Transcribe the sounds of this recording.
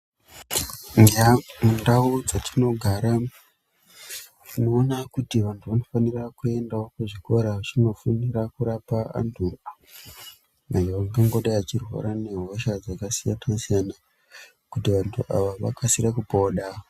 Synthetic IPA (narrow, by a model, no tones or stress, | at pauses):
mundaud͡zatʰino̞ɡʱaːɾa | tino̞ːnakutiʋantʰuʋano̞fanirakue̞ndaokeʐiko̞ɾaʋat͡ʃino̞funiɾakuɾapaa̰ntʰu | majoʋaŋɡaŋɡoɗajat͡ʃirwa̰ɾane̞ɦo̞ʃad͡zakasijatasijana | kutiʋantʰuʔa̰ʋaʋa̰kasirakupoɗa